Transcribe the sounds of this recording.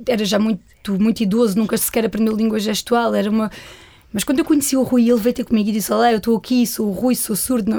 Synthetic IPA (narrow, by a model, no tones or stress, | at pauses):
ɛɾɐʒamũj̃t̪umũj̃t̪iðozunũkɐskɛɾɐpɾẽnd̪ewlˠĩŋɡwɐʒɛʃt̪walˠɛɾɐumɐ | mɐʃ̬kwɐ̃nd̪ewkuɲsiuʁujelˠvɐjt̪eɾkumiɣiðisɔlˠaewt̪oɐkʰisouʁujsosuɾðunɐ